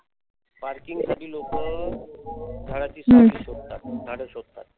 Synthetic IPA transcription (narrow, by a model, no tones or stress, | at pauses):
paɾkiŋɡsaʈiːlokə | d̪ʱaɽat͡ɕiːsmə̃ɕok̚t̪at̪̚d̪ʱaɽəɕɔk̚t̪a̰t̪̚